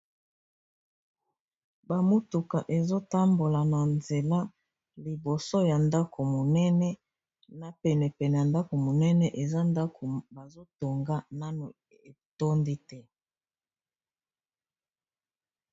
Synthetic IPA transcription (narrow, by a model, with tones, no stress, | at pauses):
ba˨mo˦tu˨ka˨ʔe˨zo˦ta˦mbo˨la˨na˨nze˨la˦ | li˨bo˨so˦ja˨nda˦kʰo˨mo˨nɛ˦nɛ˦ | na˨pɛ˨nɛ˨pɛ˨nɛ˨ja˨nda˦ko˨mo˨nɛ˦nɛ˦ʔe˨za˦nda˦kʰo˨ba˨zo˦to˨ŋɡa˦na˦no˨ | e˨to˦ndi˦tɛ˦